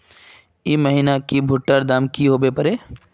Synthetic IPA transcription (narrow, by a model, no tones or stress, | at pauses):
iməɦiːnakibʱʊʈːəɾd̪aːmkiɦoːbepɐɾeː